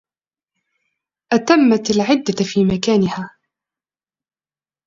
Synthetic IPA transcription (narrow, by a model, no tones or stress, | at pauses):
ʔat̪amːat̪alʕɪd̪ːafiːmakaːnɪhaː